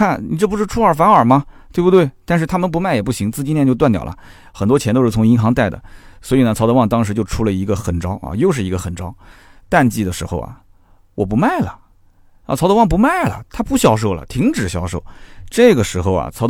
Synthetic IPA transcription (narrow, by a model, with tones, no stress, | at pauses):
a˥˩nni˨˩ʈ͡ʂɤ˥˩p̬u˧˥ʂɻ̩˥˧ʈ͡ʂʰu˥ə˞˨˩fa˧˥nə˞˨˩mɐ˦˧t̪we˥˧bu˧t̪we˥˩ɪt̪a˥˧nʂɻ̩˥˧t̪ʰa˥mə˨np̬u˧˥ma˥˩ɪjɛ˨˩pu˥˩ɕi˧˥ŋt͡sɹ̩˥˧t͡ɕi˥˧njɛ˥˧nt͡ɕjo˥˧t̪̬wt̪jɑ˨˩lɐ̰˦ | xə˨˩nt̪wɔ˥t͡ɕʰjnt̪o˥ʊʂ̩˥˩t͡sʰʊ˧˥ŋi˧˥nxɑ˧˥ŋt̪a˥˩ɪd̪ə̰˩swɔ˧˥i˨˩nə˩t͡sʰɑ˧˥d̪wɑ˥˩ŋt̪ɑ˥ŋʂɻ̩˧˥t͡ɕjo˥˧ʊʈ͡ʂʰu˥lə˧i˧˥ɡə˧xə˨˩nʈ͡ʂɑ˥ʊɐ̰˧jo˥˧ʊʂɻ̩˥˩i˧˥ɡə˧xə˨˩nʈ͡ʂɑ˥ʊ | t̪a˥˧nt͡ɕi˥˩d̪ə˩ʂɻ̩˧˥xo˥˧ʊɐ̰˨˩ | wɔ˨˩p̬u˧˥ma˥˩ɪlə̰˩˧˩ | t͡sʰɑ˧˥ʊd̪ə˧wɑ˥˩ŋp̬u˧˥ma˥˩ɪlə̰˩t̪ʰa˥pu˥˩ɕjɑ˨˥ʊʂ̬o˥˩ʊlə̰˩t̪ʰi˧˥ŋʈ͡ʂɻ̩˨˩ɕjɑ˧˥ʊʂo˥˩ʊʈ͡ʂɤ˥˩ɡə˩ʂɻ̩˧˥xo˥˧ʊɐ̰˨t͡sʰɑ˧˥ʊ